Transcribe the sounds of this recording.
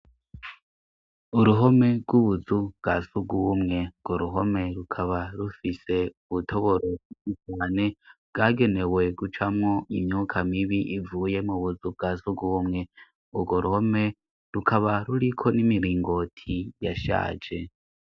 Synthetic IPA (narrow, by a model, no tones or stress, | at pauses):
uɾuɦo̞me̞ɡwuβuzubɡ̥asuɡuβumŋe̞ɡ̥oɾuɦo̞me̞ɾukʰaβaɾufise̞uβutʰo̞βo̞ɾoikit͡ʃaːne̞bɡaɡe̞ne̞we̞ɡut͡ʃamŋo̞ʔimɲukʰamiβiʔivuːje̞muβuzub̚ɡazuɡuβumŋe̞ | uɡoɾuho̞me̞ | ɾukʰaβaɾuɾikʰo̞nimiɾiːŋɡo̞tʰijaʃa̰ːd͡ʒe̞